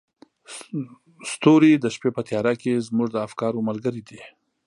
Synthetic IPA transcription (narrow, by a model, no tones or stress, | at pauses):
st̪oɾid̪əʃpepət̪jɑɾakezmuʐd̪əafkɑɾoməlɡəɾid̪i